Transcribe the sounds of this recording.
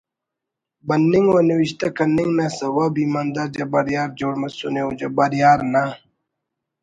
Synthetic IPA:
bɐnːiŋɡwoniwiɕt̪akɐniŋnasɐwabimand̪aɾd͡ʑɐbɐɾjaːɾd͡ʑoːɽmɐsuneod͡ʑɐbɐɾjaːɾna

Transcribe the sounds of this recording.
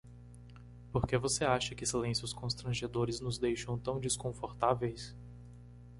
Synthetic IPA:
poɾkevoseaʃɐkɪsilẽsjʊskõst̪ɾɐ̃ʒed̪oɾɪznʊzd̪ejʃɐ̃w̃t̪ɐ̃w̃d͡ʒiskõfoɾt̪avejs

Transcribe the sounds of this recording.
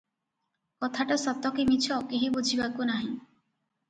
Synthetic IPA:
kɔt̪ʰaʈasɔt̪ːɔkimit͡ʃʰɔkeɦibud͡ʒʱibakunaɦĩ

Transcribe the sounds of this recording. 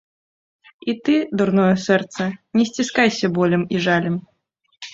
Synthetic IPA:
it̪ɨd̪urnɔjɐsɛrt̪sɐnʲɛsʲt͡sʲiskajsʲɐbɔlʲɛmiʐalʲɛm

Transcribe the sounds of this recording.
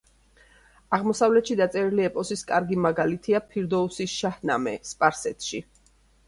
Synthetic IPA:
aʁmɔsavlɛt̪ʃid̪at̪sʼɛɾiliɛpʼɔsiskʼaɾɡimaɡalit̪ʰiapʰiɾd̪ɔusisʃahna̰mɛ̰spʼaɾsɛt̪ʰʃi

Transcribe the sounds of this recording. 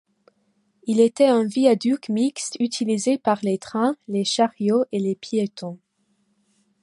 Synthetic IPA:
ilet̪ɛɛ̃viad̪ykmikst̪yt̪ʰilizepaʁlet̪χɛ̃leʃaʁjoʔelepjet̪ɔ̃

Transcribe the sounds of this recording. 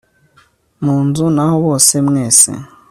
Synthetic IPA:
mund͡zunaɦɔβɔsemɛːsɛ̰

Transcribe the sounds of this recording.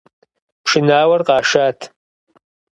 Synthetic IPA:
pʰʂɨnaːwarqʼaːʂatʰ

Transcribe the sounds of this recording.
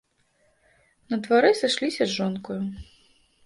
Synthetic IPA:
nɐd̪vaɾɛsɨʂlʲisʲɐʐɔnkuju

